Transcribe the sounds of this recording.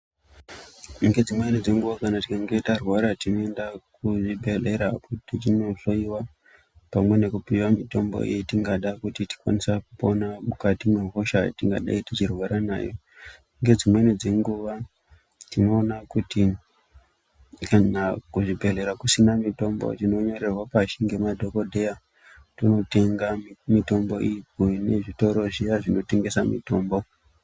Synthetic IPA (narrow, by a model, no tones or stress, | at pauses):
ŋɡe̞d͡zimwenid͡ze̞ŋɡuʋakanati̥kaŋɡe̞itarwaɾatino̞endakuʐibʱele̞ɾakutit͡ʃinoɬoiwa | pamwe̞ne̞kupiwamito̞mbo̞̰ḭitiŋɡaɗakutiti̥kwa̰nisakupo̞namukatimweɦoʃatiŋɡa̰ɗa̰itit͡ʃirwaɾana̰ːjo̞ | ŋɡe̞d͡zimwe̞nid͡ze̞ŋɡuʋa | tino̞ːnakuti | kanakuʐibʱe̞re̞ɾakusinamito̞mbo̰tino̞ɲo̞ɾerwapaʃiŋɡe̞madʱo̞ko̞dʱe̞ja | tino̞te̞ŋɡamito̞mbo̞̰ʔijkune̞ʐito̞ɾo̞ʐijaʐino̞te̞ŋɡe̞samḭto̞ːmbo̞